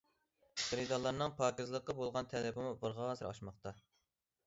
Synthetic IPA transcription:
χəɾɨd̪ɑlˠːɑɾnɨŋpʰɑːkʲizlˠəqːɑbolˠʁɑnt̪ʰɛlɪbɪmubəɾʁɑːzɨɾɑ̰ʃmɑχt̪ɑ

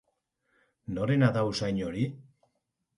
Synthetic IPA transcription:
no̞ɾe̞naðawsajɲo̞ɾi

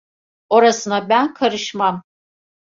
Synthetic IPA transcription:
o̞ɾasɯnabænkʰaɾɯʃmam

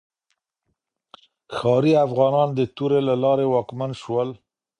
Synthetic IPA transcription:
xɑɾiafɣɑnɑnd̪ət̪uɾelalɑɾewɑkmanʃwəl

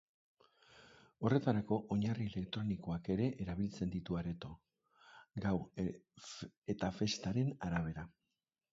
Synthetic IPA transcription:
o̞re̞t̪aɾako̞ʔoɲarie̞le̞kt̪ɾo̞niko̞ake̞ɾe̞ʔeɾaβ̞ilt͡se̞nd̪it̪uaɾe̞t̪o̞ | ɡaw | e̞t̪afe̞st̪aɾe̞naɾaβ̞e̞ɾa

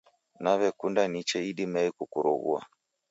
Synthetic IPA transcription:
naβɛkundanit͡ʃɛiɗimaikukuɾɔ̰ɣṵa̰

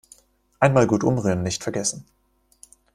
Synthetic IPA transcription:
ʔaɪnmaːlɡuːtʔʊmʁyːənːɪçtfɛɐɡɛsn̩

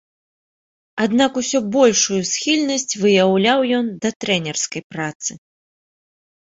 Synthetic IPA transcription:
ad̪nakusʲɔbɔlʲʂujusxʲilʲnɐsʲt͡sʲvɨjawlʲawjɔnd̪ɐt̪ɾɛnʲɛrskɐjpɾat̪sɨ

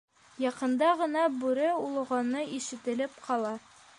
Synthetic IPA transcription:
jɒqɤ̆nd̪ɑʁɤ̆nɑbʉɾɘulˠɤ̆ʁɑnːɤʔiʃɘ̆t̪ɘ̆lɘpqɒlˠɑ

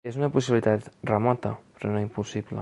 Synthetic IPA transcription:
ezunɐpusiβilit̪at̪rəmɔt̪əpɾonoimpusiβlə̰

